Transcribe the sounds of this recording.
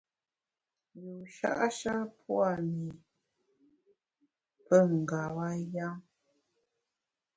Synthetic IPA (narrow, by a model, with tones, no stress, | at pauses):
ju˨ʃa̰˦ʔa˦ʃa˦pwa˦˨mi˨ | pə˦ŋ̩˨ɡa˨wa˦ja˦ŋ